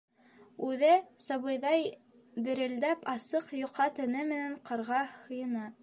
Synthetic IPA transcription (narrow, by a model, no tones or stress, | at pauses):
ʉðɘsɑβɤ̆jðɑj | dɘ̆ɾɘ̆ld̪æpɑsɤqjŏqʰːɑt̪ɘ̆nɘmɘ̆næɴqɤ̆ɾʁɑhŏjɤ̆nɑ